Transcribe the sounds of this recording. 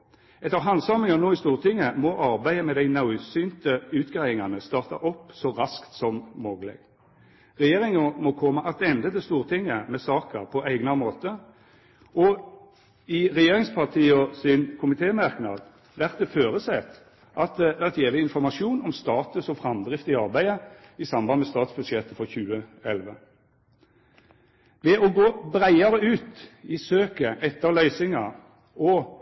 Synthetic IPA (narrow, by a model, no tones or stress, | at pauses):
ɛt̪ːəʁɦɑnsɑmɪŋɑnoːɪst̪uːʁt̪ʰɪŋːəmɔʔɑɾbæɪəmɛd̪æɪnɑʊsyːnt̪əʉːt̪ɡ̥ʁæɪɪŋɑnəst̪ɑːʁt̪ɑ̰ʔɔpːsɔʁɑskt̪sɔmmɔɡlɛ̰ɡ | ʁɛjeːʁɪŋəmɔkʰɔmːəʔɑt̪ɛnd̪ət̪ɪlst̪uːʁt̪ʰɪŋːəmɛsɑːkəʁpʰɔʔæɪɡnɑmoːt̪ə | ɔ | ɪʁɛjeːʁɪŋspʰɑʁt̪ʰiːɔsɪnkʰʊmɪt̪ʰeːmɑʁknɑ̰d̪ | ʋæʁt̪̚d̪ɛføːɾəsɛt̪ | ʔɑt̪̚d̪ɛʋæʁt̪jeːʋɪɪnfɔʁmɑʂuːnɔmst̪ɑːt̪əsɔfʁɑmd̪ʁɪft̪ɪɑʁbæɪəɪsɑmbɑnmɛst̪ɑːt̪sb̥ʉd̪ʃɛt̪ːəfɔɾçʉːəɛlʋə | ʋɛʔɔɡoːbʁæɪɑɾəʉːt̪ɪsøːkəʔɛt̪ːəʁlœʏsɪŋɑ | ɔ